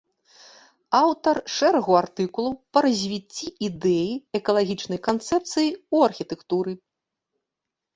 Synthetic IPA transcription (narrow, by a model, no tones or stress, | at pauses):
awt̪ɐrʂɛɾɐɣuart̪ɨkulˠupɐɾɐzʲvʲit͡sʲːiid̪ɛjiɛkɐlˠaɣʲit͡ʂnɐjkant̪sɛp̚t̪sɨjiuɐrxʲit̪ɛkt̪uɾɨ